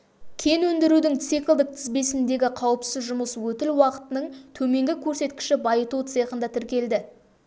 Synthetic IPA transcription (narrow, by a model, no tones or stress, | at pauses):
kʲʰe̞nwɵnd̪ɪɾud̪ɪŋt̪sijkʲlˠd̪ɪk̚t̪ʰɪzbe̞sɪnd̪e̞ɡʲɪqʰɑwəpsɪzʒʊməswɵt̪ɪlwɑqə̥t̪ənəɴt̪ʰɵme̞ŋɡʲɪkʲʰɵɾse̞t̪kʲɪ̥ʃɪbɑjət̪ut̪sɨjqənd̪ɑt̪ʰɪɾkʲe̞ld̪ɪ